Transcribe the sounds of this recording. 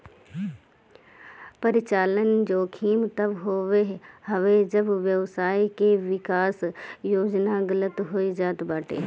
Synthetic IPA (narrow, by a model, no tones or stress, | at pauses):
pəɾɪt͡ʃaːlənd͡ʒoːkʰiːmt̪ɐbɦoːʋeɦhɐʋed͡ʒɐbʋjəʋsaːikeʋɪkaːsjoːd͡ʒnaɡələt̪ɦoːid͡ʒaːt̪baːʈʰḛː